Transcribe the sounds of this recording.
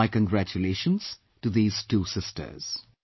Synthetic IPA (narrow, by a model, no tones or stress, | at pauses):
ɪkə̃nɡɹæt͡ʃuleʃə̃nz̥ | tɨðiːz̥tuːsɪstʰə̰˞z̥